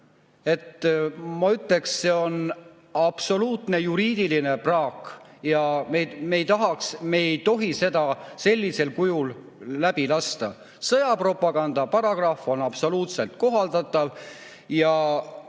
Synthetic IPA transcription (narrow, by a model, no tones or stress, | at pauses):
e̞t̪ːmɑyt̪le̞ksːe̞o̞n | ɑb̥so̞luːt̪ne̞juɾiːd̪̥iline̞prɑːkjɑmeme̞jt̪ɑɦɑksme̞ːjt̪o̞ɦise̞d̪ɑse̞lʲːise̞lkujulː | æb̥ilɑst̪ɑ | sɤjɑpro̞pːˑɑɡ̥ɑnd̪̥ɑpɑɾɑɡ̥rɑfo̞nɑb̥so̞luːt̪se̞lt̪̚ko̞ɦɑld̪ɑt̪ˑːɑv | jɑ